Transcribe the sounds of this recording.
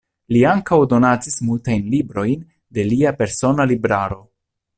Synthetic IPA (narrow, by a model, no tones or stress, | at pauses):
liaŋkawdo̞nad͡zismultajnlibɾo̞jn | de̞liape̞ɾso̞nalibɾaɾo̞